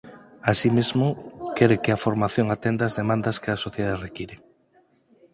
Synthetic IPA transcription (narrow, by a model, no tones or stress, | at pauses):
asimezmʊkɛɾekeafoɾmaθjoŋat̪end̪aːzðemãnd̪ɐskeasoθjðaðerekiɾe